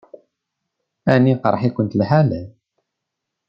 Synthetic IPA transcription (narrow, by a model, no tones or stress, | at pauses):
æniqɾˤħikʷənt̪lhalæl